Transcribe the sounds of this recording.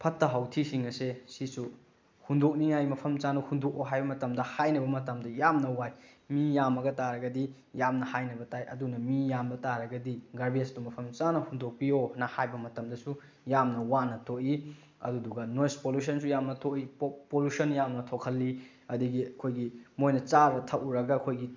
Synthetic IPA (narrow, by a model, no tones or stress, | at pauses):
pʰɐtːɐɦawtʰisiŋɐsesisu | hundok̚niŋajmɐpʰɐmt͡ʃanɐhundok̚oɦajbɐmɐtɐmdɐhajnɐbɐmɐtɐmdɐjamnɐwajmijamɐɡɐtaɾɐɡɐdi | jamnɐhajnɐbɐtʰajʔɐ̰dunɐmijamdɐtaɾɐɡɐdiɡɐɾbiestumɐpʰɐmt͡ʃanɐhundok̚pionɐhajbɐmɐtɐmdɐsu | jamnɐwanɐtʰoʔi | ɐ̰duduɡɐnojspolus̬ɐns̬ujamnɐtʰoʔipolusɐnjamnɐtʰokʰɐlːi | ɐduɡiɐkʰojɡimojnɐt͡ʃaɾɐtʰɐʔuɾɐɡɐkʰojɡi